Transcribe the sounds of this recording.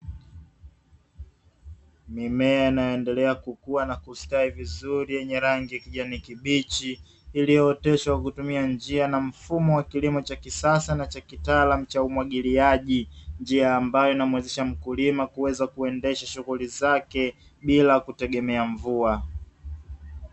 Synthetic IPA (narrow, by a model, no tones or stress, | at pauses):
mimɛainajɔɛndɛlɛakukuanakustaivizuɾijɛɲɛɾaŋɡijakiʄanikiɓit͡ʃiː | lijɔːtɛʃawakutumiand͡ʒianam̩fumɔwakilimɔt͡ʃakisasanat͡ʃakitalam̩t͡ʃaumwaɠiliaʄind͡ʒiaːmbajɔinamwɛziʃam̩kulimakuwɛzakuɛndɛʃaʃuɣulizakɛ | ɓilakutɛɠɛmɛaɱvua